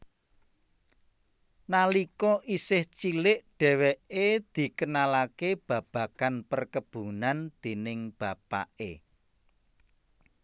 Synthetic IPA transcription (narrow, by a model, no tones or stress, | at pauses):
nalikɔʔisɪht͡ʃilɪʔɖ̥ɛ̤weʔed̪̥i̤kənalakeb̥ä̤b̥ä̤kanpərkəb̥ṳnand̪̥e̤nɪŋb̥a̤pa̰ʔḛ